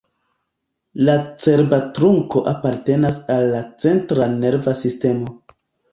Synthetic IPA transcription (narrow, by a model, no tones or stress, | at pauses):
lat͡se̞ɾbatɾuŋko̞ʔapaɾte̞nasalːat͡se̞ntɾane̞ɾvasiste̞mo̞